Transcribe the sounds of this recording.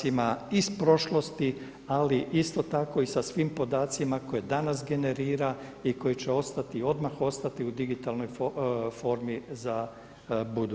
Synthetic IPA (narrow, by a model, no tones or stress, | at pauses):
imaispɾo̞ʃlo̞st̪i | aliʔist̪o̞t̪ako̞isasʋiːmpo̞d̪aːt̪simako̞je̞d̪anas̬ɡe̞ne̞ɾiːɾaiko̞jit͡ʃeo̞st̪at̪io̞d̪maxo̞st̪at̪iud̪iɡit̪alˠno̞jfo̞ːɾmiza | bud̪u